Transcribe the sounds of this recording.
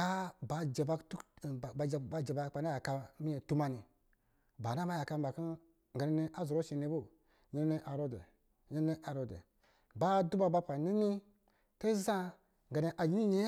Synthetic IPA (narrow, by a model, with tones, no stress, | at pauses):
a˦ba˨d͡ʒe˨ba˧tu˦˨bd͡ʒba˨d͡ʒe˨ba˧˨˦a˨na˦ja˨ka˧mi˦e˨tu˦ma˧ni˨ | ba˨na˦ma˦ja˨ka˧m̩˦ba˨ki˦ | ŋ˨ɡa˨ne˦ni˧˦ʔa˦zo˨ɾo˦ʃi˨ne˧˦bo˦˨ | ɲe˦n˦ne˦ʔa˨ɾo˦dḛ˨ | ɲe˦ne˦ʔa˨ɾo˨dḛ˨ | ba˦˨du˦ba˧ba˧pa˨ni˦ni˦ | te˦za˦ | ŋ˨ɡa˨ne˧ʔa˨ji˦ni˦ɲe˦